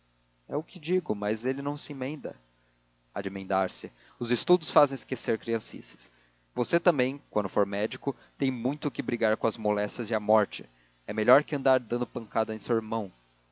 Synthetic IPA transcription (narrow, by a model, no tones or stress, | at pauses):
ɛʊkɪd͡ʒiɡʊmɐzelɪnɐ̃w̃sɪĩmẽnd̪ɐ̰ | ad͡ʒimẽnd̪aɾsɪ | ʊzɪst̪ud̪ʊsfazẽj̃ɪskeseɾkɾiɐ̃sḭsɪ̥s | voset̪ɐ̃mbẽj̃kwɐ̃nd̪ʊfoɾmɛd͡ʒikʊ | t̪ẽj̃mũj̃t̪ʊkɪbɾiɡaɾkõɐzmolɛst͡ʃjɐzɪɐmɔɾt͡ʃɪ | ɛmeʎɔɾkɪɐ̃nd̪aɾd̪ɐ̃nd̪ʊpɐ̃ŋkad̪ɐẽj̃sewɪɾmɐ̃w̃